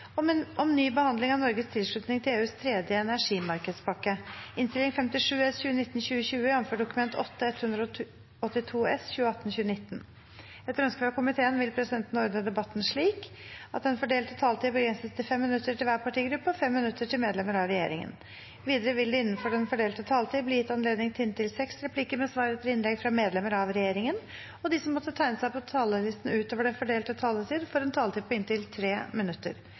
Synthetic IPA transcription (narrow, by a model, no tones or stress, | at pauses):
ʔɔmnyːbəhɑnd̪lɪŋɑʋnɔɾɡəst̪ʰɪlʂɭʉt̪nɪŋt̪ʰɪleːʉːst̪ʰɾeːd̪jəɛnæʂiːmɑɾkəd̪spʰɑkːəɪnst̪ɪlɪŋfɛmt̪ɪʂʉːɛsçʉːənɪt̪ːnɕʉːəɕʉːəjɑmføːɖʊkʉmɛnt̪ʰɔt̪ːəɛt̪hʉnd̪ɾ | ɔt̪ːɪt̪ʰuːɛsçʉːəɑt̪ːn̩çʉːənɪt̪ːn | ɛt̪ːəɾœnskʋɑkʊmɪt̪ʰeːənʋɪlpʰɾɛsɪd̪ɛnt̪n̩ɔɾd̪nəd̪ɛbɑt̪ːn̩ʂɭiːk | ɑt̪d̪ɛnfɔɖeːlt̪ət̪ʰɑːlt̪iːbəɡɾɛnsət̪t̪ʰːɪlfɛmːɪnʉt̪ːəʈɪlʋæːɾpʰɑʈiːɡɾʉpːəɔfɛmːɪnʉt̪ːəʈʰɪlmeːd̪lɛməɾɑʋɾɛjḛːɾɪ̰ŋə̰n | ʋiːd̪əɾəʋɪld̪ɛɪnːənfɔɖɛnfɔɖeːlt̪ət̪ʰɑːlt̪iːbliːjɪt̪ːɑnleːd̪nɪŋt̪ʰɪɪnt̪ɪlsɛksɾɛpʰlikəmɛsʋɑːɾet̪əlɪnlɛɡfɾɑmeːd̪lɛməɾɑʋɾɛjeːɾɪŋən | ɔd̪ɪsɔmːɔt̪ːət̪ʰæɪnəsæɪpʰɔt̪ʰɑːləlɪst̪n̩ʉːt̪oːʋəɖɛnfɔɖeːlt̪ət̪ʰɑːlət̪ʰiːd̪fɔɾɛnt̪ʰɑːlt̪ʰiːpʰɔɪnt̪ɪlt̪ʰɾeːmɪnʉt̪ːə̰ɾ